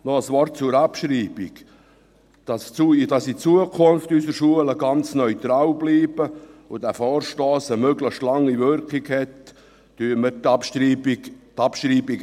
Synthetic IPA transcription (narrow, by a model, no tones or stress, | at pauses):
nɔəsʋɔrt̚t͡suɾɑpʃɾiːbiɡ | d̥ɑst͡suid̥ɑsit͡suəkʰʊnftysəɾʃuələɡɑnt͡snœʏt̪ɾɑːwbliːb̥əod̥æfɔːɾʃtɔːsəmøɡləχʃtlɑŋːivʏɾkiɡhɛtː | yəmətɑpʃtibitɑpʃɾiːbik